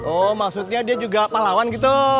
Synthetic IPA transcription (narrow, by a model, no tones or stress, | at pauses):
ɔmaksut̪̚ɲadiad͡ʒuɡapalawanɡit̪̬u